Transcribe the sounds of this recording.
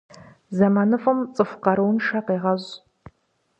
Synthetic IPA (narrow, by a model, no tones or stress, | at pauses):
zɐmanɨfɨmt͡sʼɨfqɐɾɨwnʂɐqeːʁɐʑ